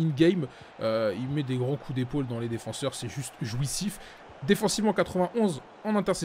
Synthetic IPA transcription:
inɡʲɛjm | øilmɛd̪eɡʁɑ̃kʰud̪epold̪ɑ̃led̪efɑ̃sœʁsɛʒyst̪ʒwisif | d̪efɑ̃sivmɑ̃kat̪χəvɛ̃ʔɔ̃z | ɑ̃nɛ̃t̪ɛʁsɛ

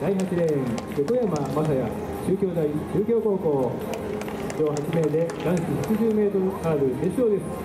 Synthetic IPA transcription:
d̪̥aiɦat͡ɕiɾẽjokojamamasaja̰ | ɕɨːkʲo̞ːd̪aiɕɨːkʲo̞ːko̞ːko̞ː | kʲo̞ːɦat͡ɕime̞ːd̪e̞ɡ̪ãɰ̃ɕiçat͡ɕiʑɨːme̞ːt̪oɾokaːbɯ̟d̪esiʑo̞ːd̪e̞sɨ̥

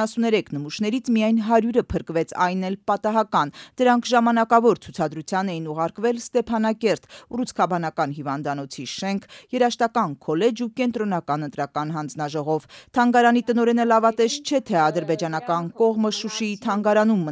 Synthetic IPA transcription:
sunɛɾɛkʰnəmuʃnɛɾit͡sʰmijɑjnɦɑɾjuɾəpʰəɾkvɛt͡sʰɑjnɛlpɑt̪ɑɦɑkɑnd̪̥əɾɑŋkʰʒɑmɑnɑkɑvɔɾt͡sʰut͡sʰɑd̪ɾut͡sʰjɑnɛjinuʁɑɾkvɛlst̪ɛpʰɑnɑkɛɾt̪urut͡sʰkʰɑbɑnɑkɑnɦivɑnd̪ɑnɔt͡sʰiʃɛŋkʰjɛɾɑʃt̪ɑkɑnkʰɔlɛd͡ʒukɛnt̪ɾɔnɑkɑnənt̪ɾɑkɑn̪ɦɑnd͡znɑʒɔʁɔvt̪ʰɑŋɡɑɾɑnit̪ənɔɾɛnəlɑvɑt̪ɛʃt͡ʃʰɛt̪ʰɛɑd̪əɾbɛd͡ʒɑn̪ɑkɑnkɔʁməʃuʃiit̪ʰɑŋɡɑɾɑnumːə

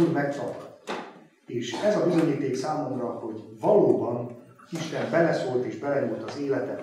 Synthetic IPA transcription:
lmɛkt̪ɒpt̪ | eːʃɛzɒbizo̞ɲiːt̪eːksaːmo̞mrɒho̞ɟvɒloːbɒn | iʃt̪ɛmbɛlɛsoːlt̪eːʒbɛlɛɲult̪ɒzeːlɛt̪ɛt

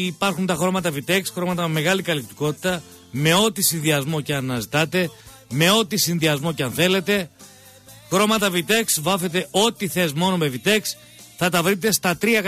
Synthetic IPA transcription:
pɐɾxunt̪ɐxɾo̞mɐt̪ɐvit̪e̞ksxɾo̞mɐt̪ɐmeme̞ɣɐlikɐlip̚t̪i̥ko̞t̪i̥t̪ɐ | me̞o̞t̪isinðiɐzmo̞ceɐnɐzit̪ɐt̪e̞ | me̞o̞t̪isinðiɐzmo̞ceɐnθe̞le̞t̪e̞ | xɾo̞mɐt̪ɐvit̪e̞ksvɐfe̞t̪e̞ʔo̞t̪iθe̞zmo̞no̞me̞vit̪e̞ks | θɐt̪ɐvɾit̪e̞st̪ɐt̪ɾiɐk

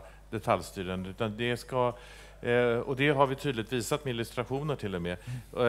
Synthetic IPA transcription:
d̪̥ɛt̪ʰaljst̪yːɾand̪əʉ̟ːt̪and̪ɛska | ɔd̪ɛɦaɾvɪt̪ʰyːd̪lɪt̪viːsat̪mɪlɵst̪ɾaɧuːnəʈʰɪlːɔmɛ

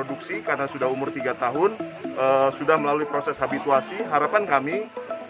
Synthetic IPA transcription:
oduksikarnasudaɦumʊrt̪iɡat̪aɦʊnəsudahməlaluipɾosɛshabit̪uasiɦaɾapankami

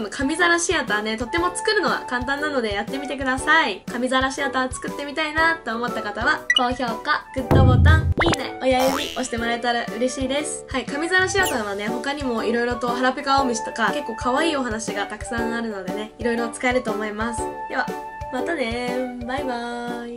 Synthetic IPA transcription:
nokʰamʲizaɾaɕiat̪ane̞t̪o̞t̪ːe̞mo̞t͡sɨ̥kɯ̟ɾɯ̟no̞βa̰kãnt̪ãnːano̞d̪e̞jat̪ːe̞mʲit̪e̞kɯ̟d̪asaikamʲizaɾaɕiat̪at͡sɨ̥kɯ̟t̪ːe̞mʲit̪ainat̪ːo̞ːmo̞t̪ːakat̪aβako̞ːço̞ːkaɡɯ̟t̪ːobo̞ːt̪ãiːna̰o̞jajɯɲʲio̞ɕi̥t̪e̞moɾaet̪aɾaʔɯ̟ɾe̞ɕiːd̪e̞sɨ̥haikamʲizaɾaɕiat̪aɡ̃βane̞ho̞kaɲ̟imo̞iɾo̞iɾo̞t̪o̞ɦaɾapɯ̟kaoːmʲiɕi̥t̪o̞kake̞kːo̞ːkʰaβaiːo̞ɦanaɕiɡat̪akɯ̟̥sãɰ̃aɾɯ̟no̞d̪e̞ne̞iɾo̞iɾo̞t͡sɨ̥kae̞ɾɯ̟t̪o̞ːmo̞imasɨ̥eβa | mat̪anebajba

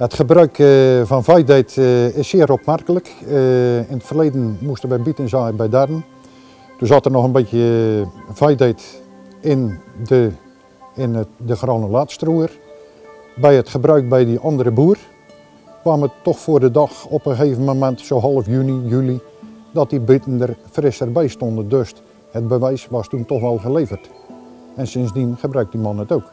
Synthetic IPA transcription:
ətχəbrœɥkvɔnvɛjdejtɪsːɪːəɾopmarkələk | ɪnətfərleːdənmustənʋəbitənzaːbɛjdadən | tunzatərnɔxənbɪtjə | v̥ɛjdejt | ɪndə | ɪndəxrɔnəlaːtstruər | bɛjətxəbrœɥk̚bɛjdiʔɑndəɾəbuər | kʋaːmətːɔxfoərdədɔxɔpxəxeːvəmomɛntsowɦɑlˠəfjynijylidɔt̚dibɪtəndərfrɪsərbɛjstɔndədøst | hət̚bəʋɛjsʋɔstuntɔxʋɛlˠɣəleːvərt | ɛnsɪnsdinxəbrœɥk̚dimɑnətowk

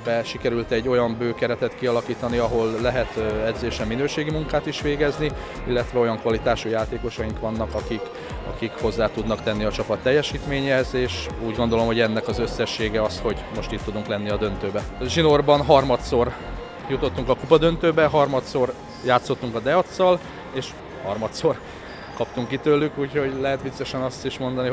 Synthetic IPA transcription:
bɛʃikɛɾylt̪ɛɟːo̞jɒmbøːkɛɾɛt̪ɛt̪kiɒlɒkiːt̪ɒniɒɦo̞lːɛɦɛt̪ɛd̪zeːʃɛmːinøːʃeːɡimuŋkaːt̪iʃʋeːɡɛzni | ilːɛt̪ʋɛo̞jɒŋkʋɒlit̪aːʃujaːt̪eːko̞ʃɒjiŋkʋɒnːɒkɒkik | ɒ̰kikho̞zːaːt̪ud̪nɒkt̪ɛnːiɒt͡ʃɒpɒt̪ːɛjːɛʃiːt̪meːɲɛhɛzeːʃ | uːɟɡo̞nd̪o̞lo̞mɦo̞ɟɛnːɛkɒzø̞sːɛʃːeːɡɛɒsho̞ɟmo̞ʃt̪it̪ːud̪uŋklɛnːiɒd̪ø̞nt̪øːbɛʒino̞rbɒnɦɒrmɒt̪so̞r | jut̪o̞t̪ːuŋkɒkupɒd̪ø̞nt̪øːbɛɦɒrmɒt̪so̞r | jaːt̪so̞t̪ːuŋkɒd̪ɛɒt̪sːɒl | eːʃ | hɒrmɒt̪so̞r | kɒpt̪uŋkːit̪øːlːykuːcho̞ɟlɛɦɛt̪bit̪sːɛʃɛnɒst̪iʃmo̞nd̪ɒni

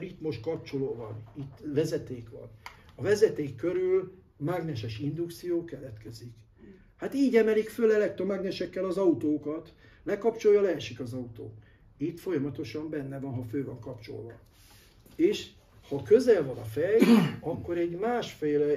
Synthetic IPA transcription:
ɾit̪mo̞ʃt̪̚kɒp̚t͡ʃo̞loːvɒnit̪ːvɛzɛt̪eːkʋɒ̰nɒvɛzɛt̪eːkːøɾyl | maɡnɛʃɛʃind̪ukt̪sijoːkɛlɛt̪kɛzik | hat̪iːɟɛmɛlikfølɛlɛk̚t̪romaɡnɛʃɛkːɛlɒzɒut̪oːkɒt̪ | lɛkɒpt͡ʃo̞jɒlɛːʃikɒzɒut̪o̰ːk | it̪fo̞jɒmɒt̪o̞ʃɒmbɛnːɛvɒnɦɒføːvɒŋkɒpt͡ʃo̞̰lvɒ | eːʃ | hɒkø̞zɛlvɒnɒfɛjɒkːo̞ɾɛɟmaːʃfeːlɛ

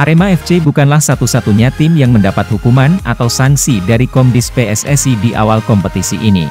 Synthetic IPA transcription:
ʔaɾemaɛft͡ʃebukanlahsat̪usat̪uɲat̪ɪmjaŋməndapat̪̚hukumanʔat̪awsaŋsidaɾikɔmdɪspeɛsɛsidiʔa̰walkɔmpət̪isiʔːnḭ

